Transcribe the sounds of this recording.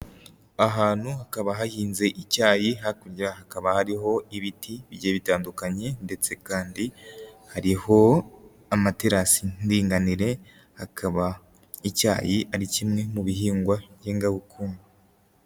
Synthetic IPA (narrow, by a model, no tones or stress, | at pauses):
aɦaːn̥huhakaβaɦahiːnze̞ʔicaːjiɦakuɾɟiɾahakaβahaɾiɦo̞iβitiβiɟeːβitaːndukaɲe̞nde̞t͡se̞kaːndihaɾiho̞ | amateɾasindiːŋɡaniɾe̞ | hakʰaβa | ica̰ːjiʔaɾicimŋe̞muβihiːŋɡwajeːŋɡaβukʰuːnɡu